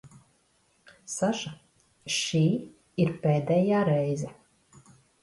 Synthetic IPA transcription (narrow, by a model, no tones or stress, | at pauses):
saʒa | ʃiː | iɾpʲɛːd̪ɛjaːɾɛjzɛ